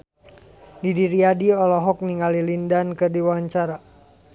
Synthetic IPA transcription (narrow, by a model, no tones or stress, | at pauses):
didiɾiadiɔlɔɦɔk̚niŋalilindankɨrdiwaɲt͡ʃaɾa